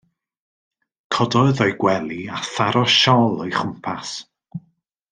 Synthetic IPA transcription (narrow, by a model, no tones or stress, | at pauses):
kʰɔdɔɨðɔjɡwɛlˠiaθaɾɔʃɔlˠɔjχʊmpʰas